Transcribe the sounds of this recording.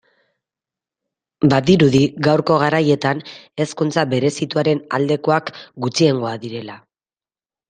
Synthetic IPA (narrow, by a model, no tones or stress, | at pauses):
baðiɾuðiɣawɾko̞ɣ̞aɾaje̞t̪ane̞skunt͡saβe̞ɾe̞sit̪uaɾe̞na̰ld̪e̞ko̞akɡut͡sie̞ŋɡo̞aðiɾe̞la